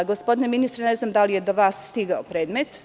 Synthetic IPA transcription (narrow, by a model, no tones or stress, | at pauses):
ɡo̞spo̞d̪ineminist̪ɾene̞znamd̪alije̞d̪oʋaːsːt̪iɡaopɾe̞ːd̪met̪